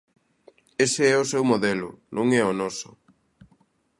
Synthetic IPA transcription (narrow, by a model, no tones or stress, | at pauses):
eseɛʊsewmoðɛlʊ̰nʔõŋɛonɔsʊ̥